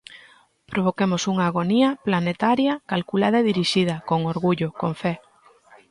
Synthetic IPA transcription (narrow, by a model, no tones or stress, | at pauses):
pɾʔoβ̞okemosuŋaːɣ̞oniɐplanet̪aɾjɐkalkulað̞ɐeðiɾiʃiðɐkoŋoɾɣuʎʊkoɱfɛ